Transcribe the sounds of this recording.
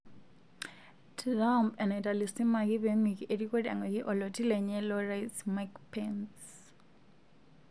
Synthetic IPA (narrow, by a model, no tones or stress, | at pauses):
tʰlampɛnaitʼalisimakiβeŋwikiʔedikʼɔda̰ŋwɛkiʔɔlɔtʼilɛɲɛlɔrajsmakpʰɛns